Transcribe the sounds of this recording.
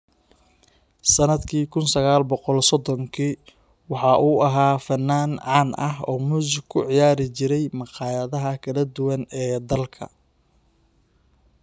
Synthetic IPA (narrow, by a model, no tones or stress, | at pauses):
sɐnɐd̪kʰiːkʰʊnsɐɣaːlbɔqɔlsɔd̪ɔŋkʰiː | wɑħɑːʔuːɐɦaːfɐnːaːnʕɑːnɐɦɔːmuːsɪɡkʰʊʕɪjaːɾɪt͡ʃɪɾɛjmɑqɑːjɐðɐɦɐkʰɐlɐd̪ʊwɐnɛːd̪ɐlkʰɐ̰